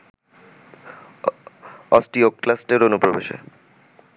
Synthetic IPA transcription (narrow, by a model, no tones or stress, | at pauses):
ɔsʈiokːlasʈeɾonupɾobeʃḛ